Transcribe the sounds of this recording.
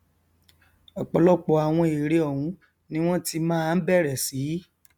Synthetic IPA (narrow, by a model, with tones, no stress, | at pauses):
ɔ˨k͡pɔ˨lɔ˦k͡pɔ˧˦a˨w̃ɔ̃˧e˨ɾe˨˧ɔ˨wũ˨˦ | nĩ˦w̃ɔ̃˦ti˧mãː˦˧n̩˦bɛ˦˨ɾɛ˨si˨˦